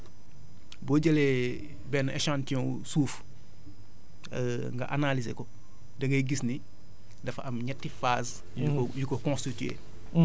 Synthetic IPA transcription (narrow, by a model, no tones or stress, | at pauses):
boɟɐlɛ | bɛnɛʃãːntiɔ̃ | suːf | ŋɡɐ̰ʔanalizeko | dɐŋɡɐɡisni | dɐfɐmɲɛtːifaːs | jukokɔ̃stitiḛː